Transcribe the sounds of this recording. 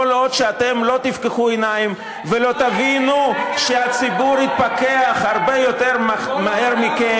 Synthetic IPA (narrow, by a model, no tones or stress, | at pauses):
olod̪ʃeat̪e̞mlo̞t̪ifkeχuenaim | velo̞t̪avinuʃeat͡sibuʁhit̪̚pake̞aχhaʁbejo̞t̪e̞ʁmahe̞ʁmike